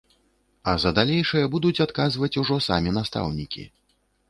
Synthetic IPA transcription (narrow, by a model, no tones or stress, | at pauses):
ɐzɐd̪alʲejʂɐjɐbud̪ut͡sʲat̪kazvɐt͡sʲuʐɔsa̰mʲin̪ast̪a̰wnʲikʲḭ